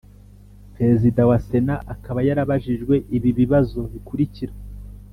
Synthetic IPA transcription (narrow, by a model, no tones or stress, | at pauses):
pɾezidawase̞naʔakaβajaɾaβaʒiʒɡwe̞ʔiβiβiβazo̞βikuɾiciɾa